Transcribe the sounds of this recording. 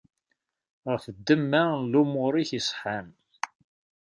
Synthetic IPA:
ʁəfd̪ːəmːælumʊɾiçisˤħan

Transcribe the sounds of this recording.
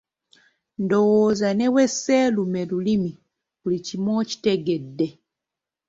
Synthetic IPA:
ndowozanɛwɛsɛlumɛlulimi | kulicimoci̥teɡedːe

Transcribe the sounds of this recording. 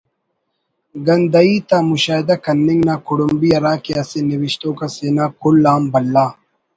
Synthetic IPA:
ɡɐnd̪ɐiːt̪aːmuɕaːɦɪd̪akɐnːiŋɡnaːkuɽumbiɐɾaːkeaseniwiʃt̪õːkaseːnaːkulːaːmbɐlːaː

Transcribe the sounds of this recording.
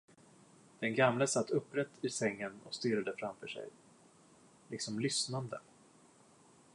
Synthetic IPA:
d̪̥ɛnɡamləsat̪ʰːɵpːɾɛt̪ːɪsɛŋːənɔ̰kst̪yːɾad̪əfɾamfœːʂɛ̰j | lʔɪksɔmlʏsnand̪ə

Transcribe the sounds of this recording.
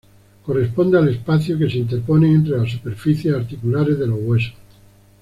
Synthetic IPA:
ko̞re̞spo̞nd̪eale̞spaθjoke̞seint̪eɾpo̞neːnt̪ɾe̞lasupe̞ɾfiθje̞saɾt̪ikulaɾe̞zðe̞loɣwe̞so

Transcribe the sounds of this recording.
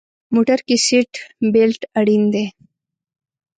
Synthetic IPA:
moʈaɾkisiʈbelʈaɽind̪e

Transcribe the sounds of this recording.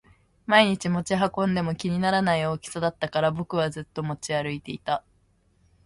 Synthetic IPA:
maiɲ̟it͡ɕimo̞t͡ɕiɦakõ̞nd̪e̞mo̞kʲiɲ̟inaɾanaio̞ːkʲi̥sad̪at̪ːakaɾabo̞kɯ̟β̞azɨt̪ːo̞mo̞t͡ɕiaɾɯ̟it̪e̞it̪a

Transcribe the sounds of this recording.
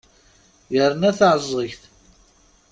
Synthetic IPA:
jəɾnæθʕəzˤːəçθ

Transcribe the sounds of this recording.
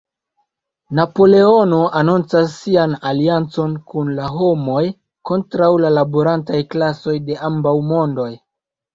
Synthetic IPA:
napo̞leo̞no̞ʔanunt͡sasːianaliant͡so̞nkunlaɦo̞mo̞j | ko̞ntɾawlalaboɾantajklaso̞jde̞ʔambawmo̞ndo̞j

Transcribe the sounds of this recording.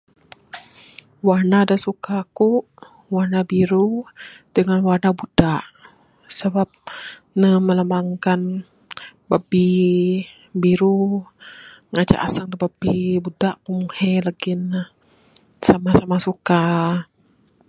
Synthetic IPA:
warnadasukakuʔ | warnabiɾud̥əŋanwarnabudaʔ | səbap̚ | nəməlamaŋkan | bəbi | biɾu | ŋat͡ʃa̰ʔasaŋdəbəbibudaʔkumuhelaɡɪn | samasamasuka

